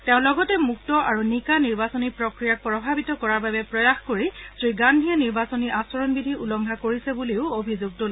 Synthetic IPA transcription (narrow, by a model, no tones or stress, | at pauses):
tɛʊ̃lɔɡɔtɛmuk̚tɔʔaɹunikaniɹbasɔnipɹɔkɹijak̚pɹɔbʱabitɔkɔɹaɹbabɛpɹɔjaxkoɹisɹiɡandʱiɛniɹbasɔniʔasɔɹɔnbidʱiulɔŋɡʱakoɹisɛbuleʊobʱizoɡ̚tol